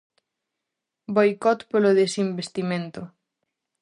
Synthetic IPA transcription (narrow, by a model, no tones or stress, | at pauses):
bojkɔt̪poloðesimbest̪imẽnt̪o